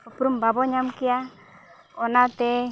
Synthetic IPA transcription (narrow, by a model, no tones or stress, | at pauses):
ɔpɾumbabɔɲamkia | ɔnat̪ɛ